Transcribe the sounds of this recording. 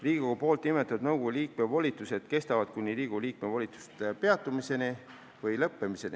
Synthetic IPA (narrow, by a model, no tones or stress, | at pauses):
riːɡikokɡupo̞ːlt̪ːnime̞t̪ːˑɑd̪nɤwɡ̥uliːk̚mevolʲit̪ːˑuse̞d̪̥ke̞st̪ɑvɑd̪̥̚kunʲːiɾiːɡ̥uliːk̚me̞volʲit̪ːˑu̥st̪pe̞ɑt̪ːˑumise̞ni | vɤjlɤpːe̞mise̞nʲḭ